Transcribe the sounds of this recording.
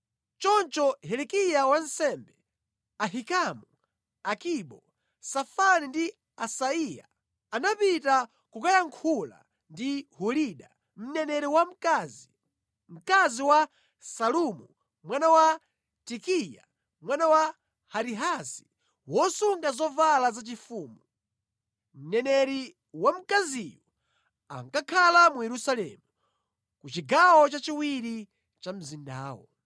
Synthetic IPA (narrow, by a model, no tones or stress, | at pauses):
t͡ʃɔnt͡ʃɔɦɛlɛkijawan̩sɛmbɛ | aɦikamu | akiɓɔ | safanindi | asaija̰ | anapita | kukajaŋkʰula̰ | ndihuɾiɗa | m̩nɛnɛɾɛwam̩kazi | m̩kaziwa | salumu | mwanawa | tikija̰ | mwanawa | haɾiɦasi̥ | wɔsuŋɡazɔvalazat͡ʃifuːmu | m̩nɛnɛɾi | wam̩kazijɔ | a̰ŋkakʰalamujɛɾusalɛ̰mu | kut͡ʃiɡawɔt͡ʃat͡ʃiwiɾi | t͡ʃam̩zinda̰ːwɔ̰